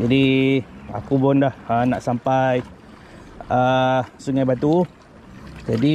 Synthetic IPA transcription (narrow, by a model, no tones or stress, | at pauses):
d͡ʒadi | a̰kupʊndahənaʔsampaj | əsuŋajbat̪u | d͡ʒadi